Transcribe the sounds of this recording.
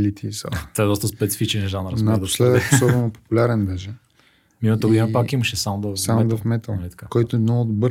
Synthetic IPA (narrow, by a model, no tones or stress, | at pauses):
lit̪isa̰t̪ɔɛd̪ɔst̪əspɛt̪si̥fit͡ʃɛnʒanɾsad̪slɛət̪ːsɔbɛnopo̥pʊlʲaɾɛnbɛʒɛ | mimət̪əɡod̪inəpakiməʃɛsamod̪əsamd̪ɐfmɛt̪əlˠnɐlit̪ɐ̥kakɔjt̪oɛd̪nɔod̪bɤɾ